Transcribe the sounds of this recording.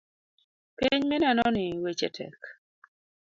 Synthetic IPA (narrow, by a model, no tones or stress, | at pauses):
piɲmɛnɛnɔnɪwet͡ʃɛ̰tʰɛ̰k